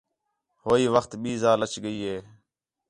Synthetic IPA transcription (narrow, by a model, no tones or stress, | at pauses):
hoːiːʋəxt̪ɓiːzaːlət͡ʃɠəiːɦeː